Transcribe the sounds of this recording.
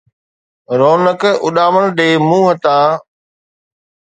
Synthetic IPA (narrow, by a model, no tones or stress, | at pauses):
ɾoːnəkʊɗaːməɽ̃ɗeːmũːɦət̪aː